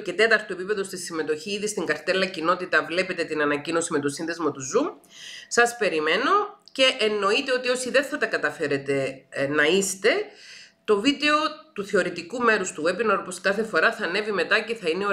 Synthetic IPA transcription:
ce̞t̪e̞t̪ɐɾt̪oe̞pipe̞ðo̞st̪isime̞t̪o̞çiːðist̪iŋɡɐɾt̪elːɐcino̞t̪it̪ɐvle̞pet̪e̞t̪inɐnɐcino̞sime̞t̪o̞sinðe̞zmɐt̪uzu | sɐspe̞ɾime̞no̞ce̞ʔenːo̞it̪e̞o̞t̪io̞siðe̞nθɐt̪ɐkɐt̪ɐfe̞ɾe̞t̪e̞nɐist̪e̞t̪o̞vid̪eo̞t̪uθeo̞ɾit̪ikume̞ɾust̪ue̞pinoɾposkɐθe̞fo̞ɾɐθɐne̞vime̞t̪ɐce̞θɐineo

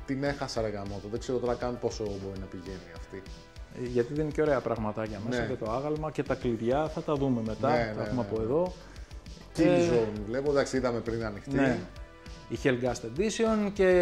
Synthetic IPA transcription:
t̪ine̞xɐsɐɾeɣɐmot̪ɐðe̞ɡzeɾot̪o̞ɾɐkɐnupo̞sobo̞ɾinɐpiʝe̞niɐft̪i | ʝɐt̪iðeineceo̞ɾeɐpɾɐɣmɐt̪ɐʝɐmesɐcet̪o̞ɐɣɐlmɐce̞t̪ɐkliðʝɐθɐt̪ɐðume̞me̞t̪ɐɐeumeɐpoeðo̞ | cizonvle̞pod̪ɐksiiðɐme̞pɾinɐnixt̪ne | içelɡɐst̪ed̪iseo̞nce̞

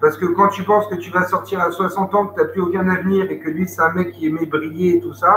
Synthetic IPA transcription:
paʁsə̥kəkɑ̃t̪ypɑ̃skət̪yvasɔʁt̪iʁaswasɑ̃t̪ɑ̃kət̪yaplyoɡɛ̃navniːʁekəlɥisɛ̥ɛ̃mɛkʲːiemebʁijeːt̪usa

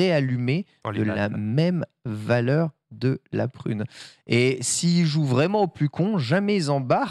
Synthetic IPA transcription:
ealyme | d̪əlamɛmvalœʁ | d̪əla̰pχy̰nesiːlʒuvʁɛmɑ̃oplykʰɔ̃ʒamɛzɑ̃baʁ

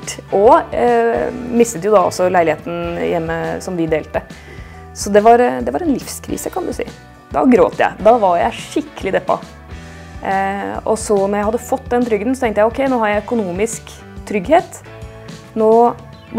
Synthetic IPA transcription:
ʔɔ | mɪst̪ət̪jʊd̪ɑɔ̰sːɔlæɪɪheːt̪n̩jɛmːəsɔmʋɪd̪eːlt̪ə | sɔd̪ɛʋɑɾd̪ɛʋɑɾɛnlɪfskʰɾḭːsəkʰɑnd̪ʉsḭː | d̪ɑ̰ɡɾo̰ːt̪jæ̰ɪd̪ɑʋɑɾjæ̰ɪʂɪkːəlɪd̪ɛpːɑ̰ | ɔsɔnɔɾjæɪhɑd̪ːəfɔt̪ːd̪ɛnt̪ʰɾʏɡənsɔt̪ʰɛŋkt̪jæɪɔkʰɛɪnoːhɑɾjæɪœkʊnuːmɪsk | t̪ʰɾʏɡheːt̪ | noː

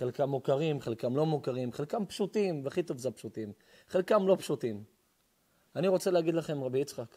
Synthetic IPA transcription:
χelkamːukaʁimχelkamlo̞mukaʁimχelkampʃut̪imveaχit̪o̞vzeapʃutim | χelkamlo̞pʃut̪im | aniʁo̞t͡selehaɡid̪laχe̞mʁabiit͡sχak

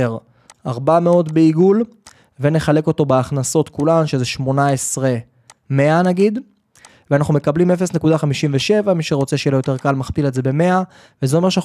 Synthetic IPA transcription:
eʁ | aʁbame̞o̞tbe̞iɡul | ve̞ne̞χale̞ko̞t̪o̞beaχnaso̞t̪kulanʃe̞zeʃmo̞naesʁe | me̞anaɡid̪ | veanaχnume̞kablimefe̞snekud̪aχamiʃimveʃe̞vamiʃeʁo̞t͡seʃejelojot̪e̞ʁkalmaχpiletzebe̞me̞a | vezeo̞me̞ʁʃana

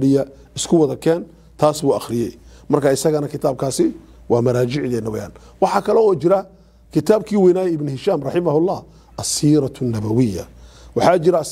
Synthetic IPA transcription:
ɽɪjɐ | ɪskʰʊwɑðɐkʰɛːn | t̪ʰaːsbuːɐxɾɪjɛjmɐrkʰaɪsɐɣɐnɐkʰɪt̪ʰaːb̚kʰaːsɪ | wɑːmɐɾaːd͡ʒɪʕðɛnːɐwɛja̰ːn | wɑħɑːkʰɐlɔɔːt͡ʃɪɾɐ | kʰɪt̪ʰaːbkʰiːwɛjnaːjɐɪbnʊhɪʃaːmrɑħɪmɐhʊlːɑːh | ʔɐsiːɾɑt̪ʰnːɐβɐwɪjːɐ̰wɑħɑːt͡ʃɪɾɐs

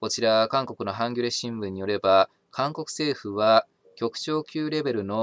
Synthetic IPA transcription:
ko̞t͡ɕiɾakãŋko̞kɯ̟no̞ɦãŋɡʲoɾeɕĩmbɯ̟̃ɲ̟ːijo̞ɾe̞ba | kʰãŋko̞kɯ̟̥se̞ːɸɯ̟βa | kʲo̞kɯ̟̥t͡ɕo̞ːkʲɨːɾe̞be̞ɾɯ̟no̞

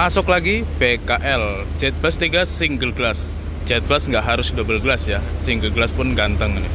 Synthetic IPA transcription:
ʔasʊklaɡibekaʔɛl̥ | d͡ʒat̪̚bast̪iɡasiŋɡəlɡəlas | d͡ʒat̪̚basŋɡaʔɦaɾʊsdobəlɡəlasjasiŋɡəlɡəlaspʊnɡant̪əŋni

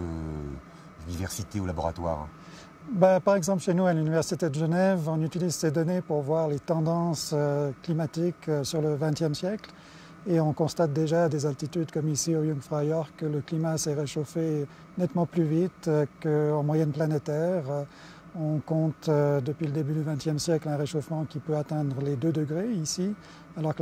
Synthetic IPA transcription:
ø̰ | d̪ivɛʁsit̪eolabɔ̰ʁa̰t̪wa̰ʁ | bapaʁɛɡzɑ̃pləʃenualynivɛʁsit̪ed̪əʒənɛvɔ̃nyt̪ilizsed̪ɔnepuʁvwaʁlet̪ɑ̃d̪ɑ̃søklimat̪iksyʁləvɛ̃t̪jɛmsjɛkl | eɔ̃kɔ̃st̪at̪̚d̪eʒaːd̪ezalt̪it̪yd̪kɔmisiojɔ̃ŋɡfχajœʁkələklimasɛʁeʃofe | nɛt̪mɑ̃plyvit̪kəɑ̃mwajɛnplanet̪ɛʁ | ɔ̃kɔ̃t̪d̪əpɥiləd̪ebyd̪yvɛ̃t̪jɛmsjɛklɛ̃ʁeʃofmɑ̃kʲipøat̪ɛ̃d̪ʁəled̪ød̪əɡʁeisi | alɔʁkə

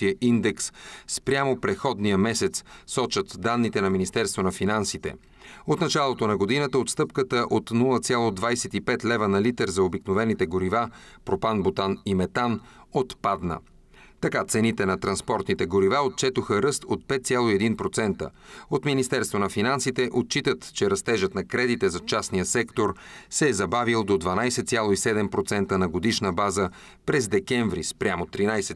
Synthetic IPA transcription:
iəʔind̪ɛksspɾʲamopɾɛxɔd̪nijəmɛsɛt̪ssɔt͡ʃət̪d̪anːit̪ɛnɐminist̪ɛɾst̪vonɐfinansit̪ɛ̰ | ot̪nɐt͡ʃalˠot̪onɐɡod̪inət̪əot̪st̪ɤpkət̪əʔot̪nulˠət̪sʲjalˠod̪vajsɛt̪ipɛt̪lɛvənɐlit̪ɛɾzɐobiknovɛnit̪ɛɡoɾivapɾopanbot̪animɛt̪an | ot̪pad̪nə̰ | t̪ɐkat̪sɛnit̪ɛnɐt̪ɾɐnspɔɾt̪nit̪ɛɡoɾivaot̪̚t͡ʃɛt̪oxəɾɤst̪ot̪̚pɛt̪t̪sʲjalˠoiɛd̪inpɾot̪sɛnt̪ə̰ | ot̪minist̪ɛɾst̪vonɐfinansit̪ɛʔot̪̚t͡ʃit̪ət̪t͡ʃɛɾɐst̪ɛʒət̪nɐkɾɛd̪it̪ɛzɐt͡ʃasnijəsɛkt̪oɾsɛːzɐbavilˠd̪od̪vɐnajsɛt̪sʲjalˠoisɛd̪ɛmpɾot̪sɛnt̪ənɐɡod̪iʃnəbazə | pɾɛzd̪ɛkɛɱvɾḭspɾʲjamot̪ɾinajsɛ

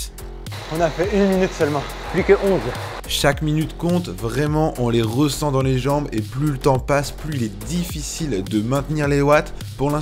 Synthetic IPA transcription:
ɔ̃nafɛynminyt̪sœlmɑ̃ | plykəʔɔ̃z | ʃakminyt̪kɔ̃t̪vʁɛmɑ̃ʔɔ̃leʁəsɑ̃d̪ɑ̃leʒɑ̃beplylət̪ɑ̃pasplyilɛd̪ifisild̪əmɛ̃t̪niʁlelwat̪ | puʁlɛ̃

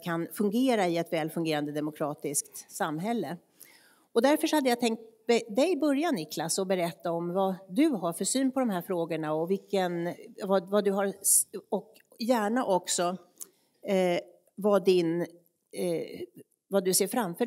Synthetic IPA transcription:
kʰanfɵŋɡeːɾaɪɛt̪vɛːlfɵŋɡeːɾand̪əd̪ɛmʊkʰɾɑːt̪ɪskt̪samːɦɛlːə | ɔd̪æɾfœʂɔhad̪ːəjat̪ʰɛŋk̚t̪̚mɛd̪ɛjbœɾjanɪkʰlasɔbɛɾɛt̪ːaɔmvad̪ɵɦaɾfœʂyːnpʰɔd̪ɔmhɦæːɾfɾoːɡəɳaɔvɪlkːənvavad̪ɵɦaɾɔk | jæːɳaʔɔksɔ | vad̪ɪn | vad̪ɵseːɾfɾamfœː

